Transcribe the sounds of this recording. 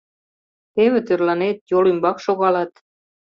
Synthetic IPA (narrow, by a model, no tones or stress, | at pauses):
t̪eβĕt̪ørlɑnet̪jolymbɑkʃoɣɑlɑt̪